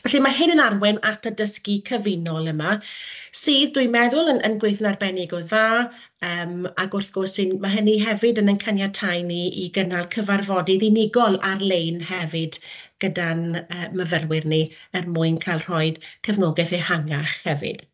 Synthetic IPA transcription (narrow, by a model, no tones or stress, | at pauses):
vɛɬimaɦɪnənarwɪnatʰədəskikʰəvɪnɔlˠəmasiːðduɨjmɛðʊlˠənənɡwejθnarbɛnɪɡɔðaː | əːmaɡʊrθɡ̥ɔrsɪnmaɦəniɦɛvɪdənənkʰanjatʰajniiɡənalˠkʰəvarvɔdiðinɪɡɔlˠarlˠejnhɛvɪdɡ̥ədanəːməvərwɪrniərmʊɨnkʰajlˠr̥ɔɨð̥kʰəvnoɡɛθehaŋaχhɛvɪ̰d̥